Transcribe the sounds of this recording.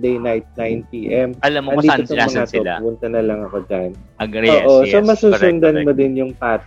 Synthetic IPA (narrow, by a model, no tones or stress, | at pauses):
d̪ejnajt̪̚najnpiːʔɛmɐlɐmɐnd̪iːt̪ot̪ommɐŋatopʊpʊnt̪ɐnɐlɐŋɐko̞d͡ʒanoːʔo̞somɐsuːsʊnd̪ɐnmod̪ɛnjʊŋpaːt̪